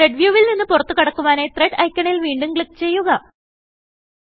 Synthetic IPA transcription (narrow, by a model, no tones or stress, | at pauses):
eɖʋjuːʋilninːɨpurɐt̪ːukɐɽɐkːuʋaːne̞ːt̪reɖɐjkʲːɐɳilʋiːɳɖuŋɡɭikːt͡ɕe̞jːuɣɐ